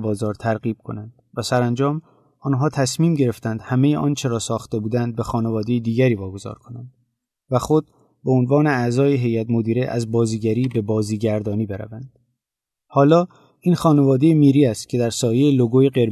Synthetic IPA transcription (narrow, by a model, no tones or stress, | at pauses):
bɒːzɒːɾt̪ʰæɾɣiːb̥̚kʰo̞̰nænd̪̥væsæɾænd͡ʒɒːm | ʔɒːnɦɒːt̪ʰæsmiːmɟe̞ɾe̞ft̪ænd̪̥hæme̞jeʔɒ̰ːnt͡ʃʰe̞ɾɒːsɒːxt̪e̞buːd̪ænd̪̚be̞xɒːne̞vɒːd̪e̞jed̪iːɟæɾiːvɒːɡo̞zɒ̰ːɾkʰo̞nænd̪̥ | væxo̞d̪̚ | beonvɒːne̞æzɒːjeɦe̞jæt̪mo̞d̪iːɾeʔæ̰zbɒːziːɟæɾiːbe̞bɒːziːɟæɾd̪ɒːniːbe̞ɾæ̰vænd̪̥ | hɒːlɒː | iːnxɒːne̞vɒːd̪e̞jemiːɾiːæst̪̚cʰe̞d̪æɾsɒːjejeloɡoːjeɡe̞ɾ